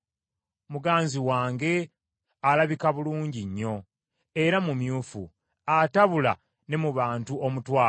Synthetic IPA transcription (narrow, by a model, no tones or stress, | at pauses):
muɡaːnziwaːŋɡe̞ | alaβikaβuluːɲɟiɲːo̞ | e̞ɾamumjuːfṵ | ataβula | ne̞muβaːntuomutwaː